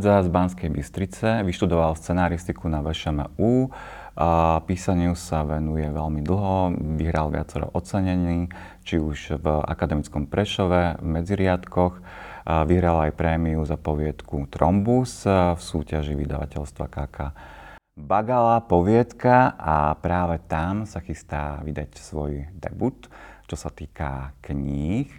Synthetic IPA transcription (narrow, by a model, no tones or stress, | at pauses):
d͡zazbanskɛjbist̪ɾit͡sɛʋiʃt̪ud̪ɔʋalfst͡sɛnaːɾist̪ikunaʋɛʃɛmɛuː | piːsaɲɪusaʋɛnujɛʋɛʎmid̪l̩ˠɦɔʋiɦɾalʋɪa̰t͡sɛɾɔ̰ʔɔt͡sɛɲɛniː | t͡ʃiuʃva̰kad̪ɛmit͡skɔmpɾɛʃɔʋɛvmɛd͡ziɾɪat̪kɔx | ʋiɦɾalajpɾɛːmiuzapɔʋɪɛt̪kut̪ɾɔmbusfsuːcaʒiʋid̪a̰ʋa̰cɛʎst̪ʋa̰kaːkaː | baɡalapɔʋɪɛt̪kaʔapɾaːʋɛt̪amsaxist̪aːʋid̪acsʋɔjd̪ɛ̰but̪t͡ʃɔsat̪iːka̰kɲiːx